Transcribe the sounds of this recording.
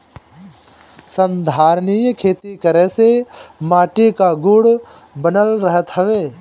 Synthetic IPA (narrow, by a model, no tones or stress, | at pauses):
sə̃nd̪ʱaːɾnijkʰeːt̪ikəɾɛ̃semaːʈikaɡʊɽ | bənəlɾəɦət̪ɦəʋeː